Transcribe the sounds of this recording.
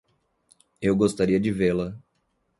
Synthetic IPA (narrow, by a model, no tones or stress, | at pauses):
ewɡost̪aɾiɐd͡ʒɪvelɐ